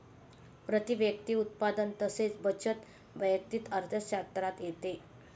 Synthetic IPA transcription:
pɾət̪iʋjək̚t̪iːut̪̚pad̪ənt̪əset͡sbət͡ɕʰət̪ | ʋəjək̚t̪iːt̪əɾt̪ʰjəɕat̪ɾat̪jet̪e

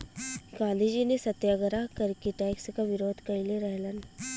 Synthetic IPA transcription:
ɡãːd̪id͡ʒinesɐt̪jaɡəɾakɐɾkiʈɛːkskaʋɪɾoːd̪ʱkɐɾileɾɛɦlən

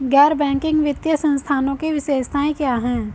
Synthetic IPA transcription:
ɡɛːɾbɛ̃ːŋkɪ̃ŋɡʋɪt̪jəsə̃nst̪ʰaːnõkiʋɪʃeːʃt̪ʰaːẽkjaːɦɛ̃ː

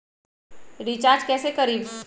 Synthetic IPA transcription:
ɾit͡ʃaːɾd͡ʒkɛːsekəɾiːb

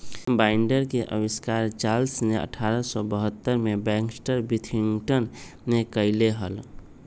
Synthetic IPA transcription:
baɪɳɖəɾkeʔə̰biskaɾt͡ʃalsneʔə̰ʈʰaɾəsɔbəɦət̪ːəɾmebɛ̃ŋksʈəɾbit̪ʰiŋɡʈənː | ekəɪleɦəl

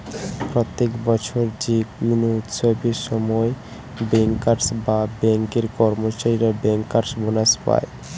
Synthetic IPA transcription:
pɾot̪ːekbɔt͡ɕʰoɾd͡ʑikunuut̪ʃobʱiɾʃɔmɔe | bɛŋkːaɾsbabɛŋkeɾkɔɾmot͡ɕaɾiɾabɛŋkːaɾsbonaspa̰e

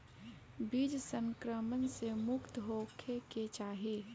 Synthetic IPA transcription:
bid͡ʒsə̃ŋkɾəmənsemʊkt̪ɦoːkʰeket͡ʃaːɦe

